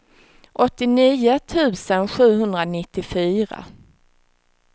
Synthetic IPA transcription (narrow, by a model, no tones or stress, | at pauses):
ʔɔt̪ːɪniːʊt̪ʰʉ̟ːsənɧʉ̟ːɦɵnd̪ɾanɪt̪ːɪfyːɾa̰